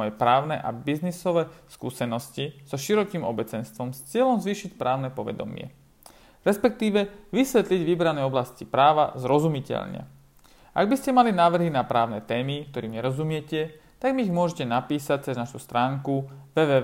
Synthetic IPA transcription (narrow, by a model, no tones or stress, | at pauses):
ɔjɛpɾaːʊnɛʔabiznisɔʋɛskṵːsɛnɔscisɔʃiɾɔkiːmɔbɛt͡sɛnst̪ʋɔmst͡sɪɛlɔmzʋiːʃicpɾʔaːʊnɛpɔʋɛ̰d̪ɔ̰mɪɛ̰ | ɾɛspɛk̚t̪iːʋɛʋisʋɛt̪liɟʋibɾanɛɔblascipɾaːʋazɾɔzumicɛ̰ʎɲɛ̰ | ʔa̰ɡ̚biscɛmalinaːʋr̩ɦinapɾaːʊnɛt̪ɛːmikt̪ɔɾiːmɲɛɾɔzumɪɛcɛ | t̪aɡmiːɣmʊɔʒɛcɛnapiːsac̚t͡sɛznaʃust̪ɾaːŋkuʋɛːʋɛː